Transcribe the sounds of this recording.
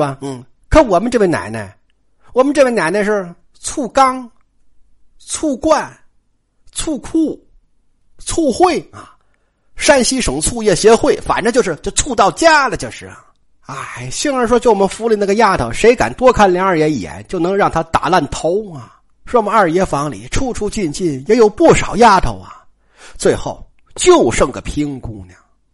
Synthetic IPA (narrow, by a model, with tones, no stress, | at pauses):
n̩˥˩ | kʰə˧˥wɔ˨˩mə˦nʈ͡ʂɤ˥˩we˥˩na̰˨˩ɪna̰˥˧˩ | wɔ˨˩mə˦nʈ͡ʂɤ˥˧we˧˩na˧˩ɪna˧ʂɻ̩˥˧ | t͡sʰu˥˩kɑ˥ŋ | t͡sʰu˥˧kwa˥˩n | t͡sʰu˥˧kʰu˥˩ | t͡sʰu˥˧xwe˥˩ɪɐ˨˩ | ʂa˥˧nɕi˥ʂɤ˨˩ŋt͡sʰu˥˧jɛ˥˩ɕjɛ˧˥xwe˥˩ɪfa̰˨˩nʈ͡ʂɤ˧˥t͡ɕjo˥˧ʊʂɻ̩˥˧t͡ɕjo˥˧ʊt͡sʰu˥˧t̪ɑ˥˧ʊt͡ɕja˥lə˨˩t͡ɕjo˥˧ʊʂɻ̩˥˩ | a˥ɪɕi˥ŋɻə˧˥ʂwɔ˥t͡ɕjo˥˩ʊwɔ˨˩mə˧˦nfu˧˥li˨˩na˥˩ɡə˧ja˥˩t̪ʰo˧˥ʊʂe˧˥ɪka̰˨˩nt̪wɔ˥kʰa˥˩nljŋə˞˥˩jɛ˧˥ni˨˩jɛ̰˧˥˦nt͡ɕjo˥˩ʊnɤ˧˥ŋɻɑ˥˩ŋt̪ʰa˥t̪a̰˨˩la˥˩nt̪ʰo˧˥ʊɐ˧ | ʂwɔ˥wɔ˨mə˦ə˞˥˩jɛ˧˥˩fɑ˧˥ŋlḭ˨˩˦ʈ͡ʂʰu˥˩ʈ͡ʂʰu˥t͡ɕi˥˧nt͡ɕi˥˩njɛ˧˥jo˨˩ʊpu˥˩ʂɑ˨˩ʊja˥˩t̪ʰo˧˥ʊɐ˧ | t͡swe˥˧ɪxo˥˩ʊ | t͡ɕjo˥˧ʊʂɤ˥˩ŋɡə˩pʰi˥ŋkʊ˥ŋnɐ˧˩